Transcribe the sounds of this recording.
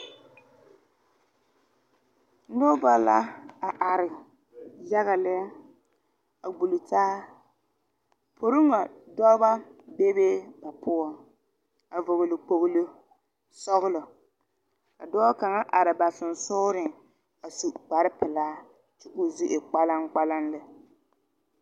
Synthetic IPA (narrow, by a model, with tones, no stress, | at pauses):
nʊ˦ba˦la̰˦a˨ʔa˨ɾɪ˨ | ja˦ɣa˨lɛ˦ | a˨ɡ͡bu˨lu˨taː˦ | pʰo˨ɾu˦ŋa˨dɔ˦ba˦be˦beː˦ba˨pʊ˦ɔ˨ŋ | a˨vo˨ɣʊ˨lɪ˨k͡po˨ɣʊ˦lɨ˦ | sɔ˦ɣʊ˦lɔ˨ | ka˨dɔː˦ka˨ŋa˦ʔa˨ɾɪ˨ba˨sɪ˨n̩˨sʊ˦ɾɪ˨ŋ | a˨su˨k͡pa˨ɾɪ˦pɪ˨laː˦ | t͡ʃɪ˦ʔʊ˦zɪ˦ʔɪ˨k͡pa˦la˦ŋk͡pa˦la˦nlɨ˦